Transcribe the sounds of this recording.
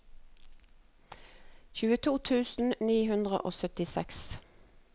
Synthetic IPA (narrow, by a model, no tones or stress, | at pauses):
çʉːət̪ʰuːt̪ʰʉːsn̩niːhʉnd̪ʁə̰ʔoːsœt̪ɪsɛks